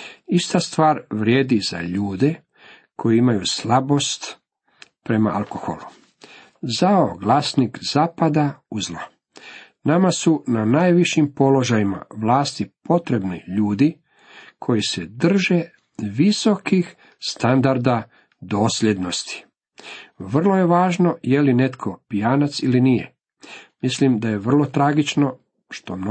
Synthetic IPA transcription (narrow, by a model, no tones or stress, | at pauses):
ist̪ast̪ʋaːɾʋɾjeːd̪iza̰ʎuːd̪e | kʰo̞jiimajuslabo̞st̪ | pɾe̞ma̰alko̞xo̰lˠu | zaoɡlasnikzaːpad̪auzlo | namasunanaːjʋiʃimpo̞lo̞ʒajima̰ʋlaːst̪ipo̞t̪ɾe̞bniʎuːd̪i | kʰo̞jised̪r̩ʒe | ʋiso̞kix | st̪and̪aɾd̪a | d̪o̞ːslʲje̞d̪no̞st̪i̥ | ʋr̩lˠo̞je̞ʋaːʒno̞jeline̞t̪kʰo̞pijaːnat̪silinijḛ | mislimd̪aje̞ʋr̩lˠo̞t̪ɾaɡit͡ʃno̞ | ʃt̪o̞mn